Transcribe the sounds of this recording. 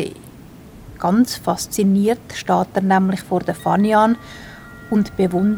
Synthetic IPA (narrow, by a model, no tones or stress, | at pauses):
ḛː | ɡ̥ɑnt͡sfɑst͡siniːrtʃtɑːtɛɾnɛmlɪχfoːɾdəfɑnjɑːn | ʊntb̥evʊn